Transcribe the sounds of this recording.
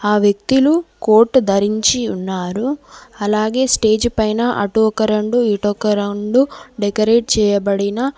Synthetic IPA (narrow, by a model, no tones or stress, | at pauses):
aːʋjek̚t̪uluko̞ːɾʈd̪ʱɐɾiɲt͡ʃiunːaːɾuɐlaːɡe̞ːsʈe̞ːd͡ʒpɐjnɐʔɐʈuɔkɐɾeɳɖuiʈɔkːɐɾeɳɖuɖekɐɾe̞ːʈ̚t͡ʃɛːjɐbɐɽinɐ